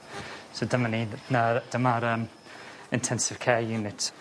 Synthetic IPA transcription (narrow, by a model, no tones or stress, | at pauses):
sodəmaninad̥əmaɾəːm | ɪntʰɛnsɪv̥kʰejunɪtʰ